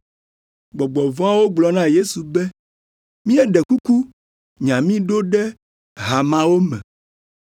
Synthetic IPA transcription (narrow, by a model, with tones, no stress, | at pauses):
ɡ͡bɔ˨ɡ͡bɔ˨vɔ̃˦a˦wo˦ɡ͡blɔ˨nã˦je˦su˨bɛ˦ | mĩ˦ɛ˦ɖɛ˨ku˦ku˦ | ɲã˨mĩ˦ɖo˦ɖɛ˦ | ɦa˨mã˨wo˦mɛ̰̃˨